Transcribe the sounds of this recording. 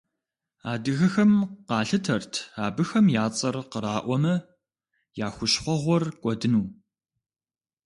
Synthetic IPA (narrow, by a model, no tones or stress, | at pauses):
aːdɨɣɐxɐmqɑːɬɨtʰɐrtʰaːbɨxɐmjaːt͡sʼɐrqəɾaːʔʷɔmɐ | jaːxʷʊɕχʷɔʁʷɔrkʷʼɔdɨnuː